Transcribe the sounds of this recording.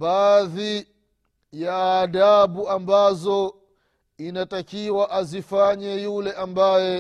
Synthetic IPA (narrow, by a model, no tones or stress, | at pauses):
baːði | jaːɗaɓuambazɔ | inatakiwaʔazifaɲɛjulɛʔambajɛ